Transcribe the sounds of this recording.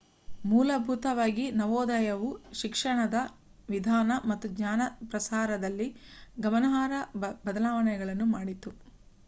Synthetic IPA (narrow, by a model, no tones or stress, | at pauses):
muːlɐbʱut̪ɐʋaːɡinɐʋɔːd̪ɐjɐʋuʃikʂɐɳɐd̪ɐ | ʋid̪ʱaːnɐmɐt̪ːuɡɲaːnɐpɾɐsaːɾɐd̪ɐlːiɡɐmɐnɐɦaːɾɐbɐd̪ɐlaːʋɐɳɛɡɐɭɐnːumaːɽit̪u